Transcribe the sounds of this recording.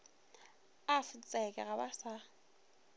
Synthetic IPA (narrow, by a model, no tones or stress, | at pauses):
afɪt͡sʼɛkʼɛɣabasa